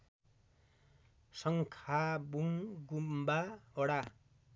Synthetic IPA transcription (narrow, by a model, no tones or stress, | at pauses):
sʌŋkʰabuŋɡumbaʌɽa